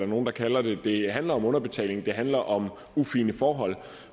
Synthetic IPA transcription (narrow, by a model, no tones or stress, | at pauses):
æɐno̝ːn̩d̥ɑ̈kʰælɐd̥e̝d̥e̝ɦænlɐɒ̽mɔ̽nɐb̥e̝t͡sʰɛ̰ːle̝ŋ̩d̥e̝ɦænlɐʔɒ̽m | ufiːnəfɒːɦɒ̽l̰